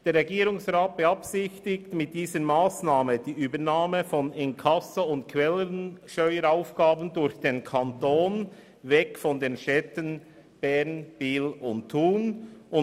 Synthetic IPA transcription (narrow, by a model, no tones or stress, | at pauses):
d̥eːɾʁɛɡiːɾʊŋsʁaːt̚b̥əɑpsɪçtɪktmɪt̚d̥iːzəmaːsnaːməd̥iːʔyːbənaːməfɔnɪnkʰɑsɐʊntkʰʋɛlənʃtœʏəɾaʊfɡ̥aːbən̩dʊɾçd̥eːnkʰantoːn | vɛkfɔndeːnʃɛtən | b̥ɛnb̥iːlʊnttʰːuːnʔʊ